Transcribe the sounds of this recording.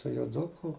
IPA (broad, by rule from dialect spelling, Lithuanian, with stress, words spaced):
tʊ joːˈdʊkʊ